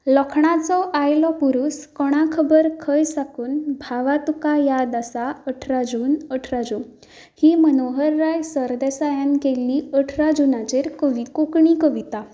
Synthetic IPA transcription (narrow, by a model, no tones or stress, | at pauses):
ləkʰɳ̃at͡sɔʔajlɔpuɾuːskɔɽ̃akʰəbəɾkʰəjsakuːnbʱaʋat̪ukajad̪asaəʈʰɾad͡zuːnəʈʰɾad͡zuːn | hiːmənoɦəɾːajsəɾd̪esajãnkelːiːəʈʰɾad͡ʑunat͡ɕeɾkəʋikokɳikəʋit̪a